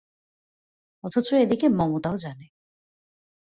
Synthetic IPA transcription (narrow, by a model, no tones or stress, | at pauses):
ɔt̪ʰot͡ɕoed̪ikemɔmot̪aod͡ʑane